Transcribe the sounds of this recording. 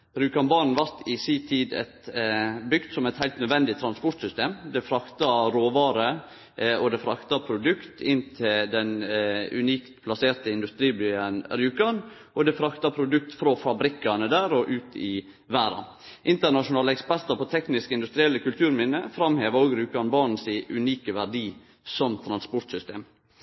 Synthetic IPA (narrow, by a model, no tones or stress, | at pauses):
ɾʉːkɑnbɑɳn̩ʋɑɾt̪ɪsiːt̪ʰiːd̪ɛ̰t̪bʏɡt̪sɔmɛɪt̪hæɪlt̪nœd̪ʋɛnd̪ɪt̪ʰɾɑnspɔʈ̪sʏst̪eːmd̪ɛfɾɑkt̪ɑɾoːʋɑːɾə | ɔd̪ɛfɾɑkt̪ɑpʰɾʊd̪ʉkt̪ʰɪnt̪ʰɪld̪ɛnʉ̰niːkt̪pʰlɑseːɾt̪əɪnd̪ʉst̪ɾiːb̪yːənɾjʉːkɑn | ʔɔd̪ɛfɾɑkt̪ɑpʰɾʊd̪ʉk̚t̪fɾofɑbɾɪkːɑnəd̪æːɾɔʔʉːt̪ʰɪ | ʋæːɾɑ̰n | ʔɪnt̪ənɑʂʊnɑːləɛkspæɾt̪əpɔt̪ʰɛknɪskəɪnd̪ʉst̪ɾɪɛlːəkʰʉlt̪ʰʉːɾmɪnːəfɾɑmheːʋəɾoːɡɾʉːkɑnbɑːɳn̩sɪʔʉniːkəʋæɖiː | sɔmt̪ʰɾɑnspɔɾʈ̪sʏst̪ḛːm